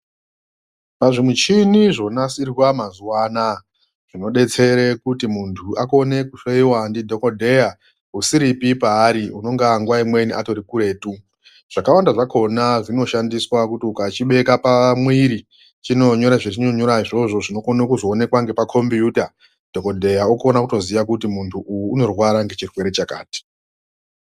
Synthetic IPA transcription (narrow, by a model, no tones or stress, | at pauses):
paʐimut͡ʃiniʐo̞nasirwamazuwaːna | ʐ̥ino̞ɗe̞t͡se̞ɾekutimuntʰuʔakone̞kuʃoiwandidʱo̞ko̞dʱe̞ja | usiɾipipaːɾiuno̞ŋɡaŋɡwaimwe̞niʔato̞ɾikuɾe̞ːtu | ʐ̥akawandaʐakʰo̞naʐino̞ʃandiswakutiukat͡ʃiɓe̞kapamwiɾi | t͡ʃino̞ɲo̞ɾaʐet͡ʃino̞ɲo̞ɾaiʐo̞ʐo̞ʐino̞konokuzoːne̞kwaŋɡe̞pakʰo̞mbiuta | d̥ʱo̞ko̞dʱe̞jaukonakuto̞ziʋakutimuntʰuʔujuːno̞rwaɾaŋɡe̞t͡ʃirwe̞ɾe̞t͡ʃaka̰ːti̥